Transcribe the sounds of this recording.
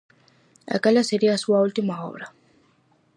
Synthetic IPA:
a̰kalaseɾiasuwault̪imaɦɔ̰ɾa

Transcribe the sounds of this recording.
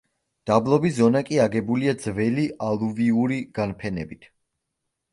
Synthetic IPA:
d̪̥ablˠɔbiszɔnakʼiaɡɛbuliad̪z̥vɛliʔalˠuviuɾiɡ̥anpʰɛnɛbit̪ʰ

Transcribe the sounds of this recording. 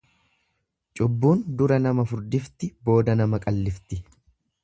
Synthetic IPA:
t͡ʃʼʊbːuːnd̪ʊɾɐnɐmɐfʊɾd̪ɪft̪ɪbo̞ːd̪ɐnɐmɐkʼɐlːɪft̪ɪ

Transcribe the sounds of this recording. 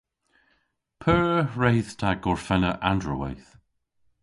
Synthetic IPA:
pʰɜːɹejð̥tʰaɡɔɹfɛnəʔandɹəwɛ̰jθ

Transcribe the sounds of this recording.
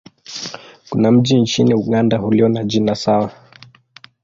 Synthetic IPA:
kunam̩ʄint͡ʃiniuɠandahuliɔnaʄinasawa

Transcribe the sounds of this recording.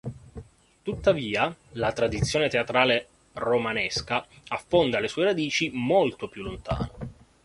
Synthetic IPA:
t̪ut̪ːaviːalat̪ɾad̪it̪sːjoːnet̪eat̪ɾaːle | romanɛskaafːond̪alesuːeɾad̪iːt͡ʃimolt̪opjulːont̪a̰ːno

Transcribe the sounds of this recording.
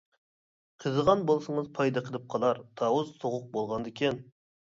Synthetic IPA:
qʰəzəʁɑnbolˠsəɴəzpʰɑjd̪ɑqʰəlˠɨp̚qʰɑlˠɑɾt̪ʰɑwuzsoʁʊq̚bolˠʁɑnd̪ekʲʰɛn

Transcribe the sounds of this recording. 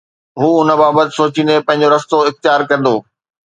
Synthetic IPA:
ɦuːʊnə̆baːbət̪ɪ̥̆soːt͡ɕĩːnd̪epɐ̃ɦɪ̃ɲ̆d͡ʑoɾɐst̪oɪxt̪ɪjaːɾkɐɾ̃nd̪oː

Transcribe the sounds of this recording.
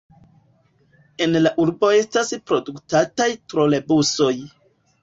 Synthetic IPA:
e̞nlaʔuɾbo̞e̞staspɾo̞duktatajtɾo̞le̞buso̞j

